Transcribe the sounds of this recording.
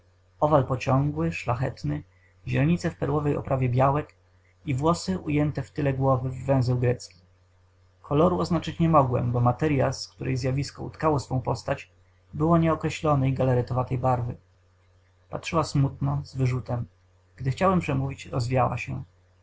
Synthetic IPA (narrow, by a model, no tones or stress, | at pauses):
ɔvalpɔt͡ɕɔ̃ŋɡwɘʂlaxɛt̪nɘ | ʑɛlɛɲit̪sɛfpɛɾwɔvɛjɔ̰pɾavʲjɛbʲjawɛk | ivwɔsɘʔujɛnt̪ɛft̪ɘlɛɡwɔvɘvːɛ̃w̃zɛwɡɾɛt̪skʲi | kʰɔlɔɾuɔznat͡ʂɘt͡ɕɲɛmɔɡwɛ̰mbɔmat̪ɛɾjaskt̪uɾʔɛjzʲjavʲiskɔṵt̪kawɔsfɔ̃w̃pɔst̪at͡ɕ | bɘwɔɲɛɔkɾɛɕlɔnɛjɡalɛɾɘt̪ɔvat̪ɛjbaɾvɘ | patʂɘwasmut̪nɔzvɘʐut̪ɛm | ɡ̥d̪ɘxt͡ɕawɛmpʂɛmuvʲit͡ɕɾɔ̰zvʲijawa̰ɕɛ̰